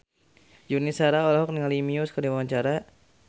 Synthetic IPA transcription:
junisaɾaɔlaɦɔk̚niŋalimiuskədiwwaɲt͡ʃaɾa

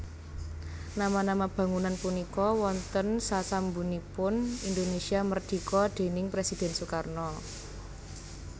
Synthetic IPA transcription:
namanamab̥ä̤ŋunanpunikɔwɔnt̪ənsasambunipʊnind̪onesiamərd̪̥i̤kɔd̪̥e̤nɪŋpɾesid̪̥ɛ̤nsukarnɔ

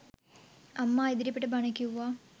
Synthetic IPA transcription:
ɐmːaeðiɾɐpːeʈːɨbɐɳɐkʲːuʋaː

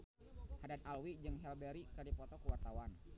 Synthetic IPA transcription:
hadat̪̚alwid͡ʒɨŋɦɛlbɛɾikərdipɔt̪ɔkəwart̪awan

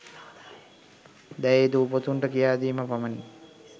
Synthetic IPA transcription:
d̪ɛeːd̪uːpot̪uɳʈəkijaːd̪iːməpaməni

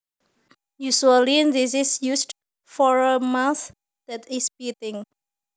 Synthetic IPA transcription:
jusuəlĩndisɪsjusd | fɔɹəmãθ | d̪̥ɛtɪsbit̪ɪ̃ŋ

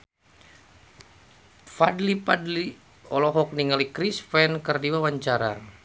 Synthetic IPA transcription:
fadlipadli | ɔlɔɦɔk̚niŋalikɾisfɛnkərdiwawaɲt͡ʃaɾa̰

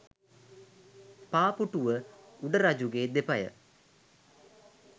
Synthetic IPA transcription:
paːpuʈuʋəuɖəɾad͡ʑuɡeːd̪epɐjə̰

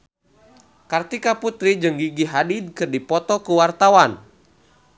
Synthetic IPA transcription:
kart̪ikaput̪ɾid͡ʒɨŋɡiɡiɦadid̚kɨrdipɔt̪ɔkuwart̪awan

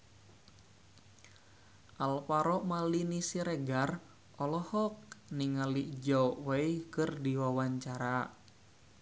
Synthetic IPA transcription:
ʔalpaɾɔʔmalinisiɾɛɡar | ʔɔlɔhɔk̚niŋalid͡ʒɔʔwaikɨrdiwawaɲt͡ʃaɾa

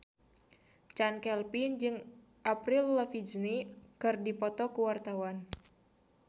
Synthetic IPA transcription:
t͡ʃankɛlpind͡ʒɨŋ | ʔapɾilːəfid͡ʒnikɨrdipɔt̪ɔkuwart̪awan

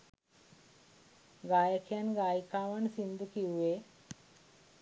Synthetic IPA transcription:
ɡajəkʰjanɡajkaʋansind̪əkiwːe

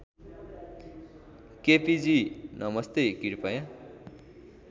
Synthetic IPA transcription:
kepid͡zinʌmʌst̪ekiɾpʌjã

